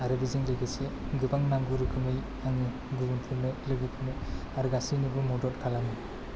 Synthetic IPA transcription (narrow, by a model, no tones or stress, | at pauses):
aɾɯbizɯŋlɯɡeseɡɯbaŋnaŋɡuɾɯɡɯmɯj | aŋɯ | ɡuɡuntʰɯɾnɯlɯɡɯpʰɯnɯ | aɾɡasinibɯmɔdɔtkʰalamɯ